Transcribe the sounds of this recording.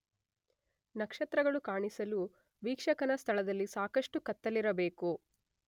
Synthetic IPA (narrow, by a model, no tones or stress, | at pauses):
nɐkʂɐt̪ɾɐɡɐɭukaːɳisɐlu | ʋiːkʂɐkɐnɐst̪ʰɐɭɐd̪ɐlːisaːkɐʂʈukɐt̪ːɐliɾɐbe̞ːku